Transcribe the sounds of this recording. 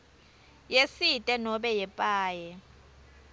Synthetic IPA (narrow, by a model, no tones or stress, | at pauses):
jesitʼɛnɔɓɛjɛpʼaːjɛ